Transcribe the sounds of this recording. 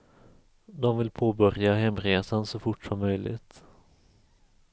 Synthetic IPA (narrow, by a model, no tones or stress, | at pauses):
d̪ɔmvɪlpʰoːbœɾjaɦɛmːɾeːsansɔfʊʈːʂɔmːœjlɪ̰t̪